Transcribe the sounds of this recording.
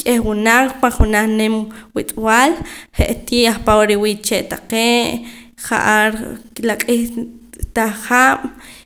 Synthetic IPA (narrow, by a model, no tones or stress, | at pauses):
kʼeχwunaq͡χpaχunaχnemwit̪ʼwalχḛʔt̪jeaχpawɾiwiːʔt͡ʃeʔt̪aqeːʔ | χa̰ʔaɾklaqʼixt̪aχaːm̥